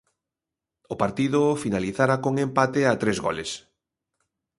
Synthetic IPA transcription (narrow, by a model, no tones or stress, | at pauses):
ʊpaɾt̪iðʊfinaliθaɾakoŋempat̪eat̪ɾezɣɔ̰les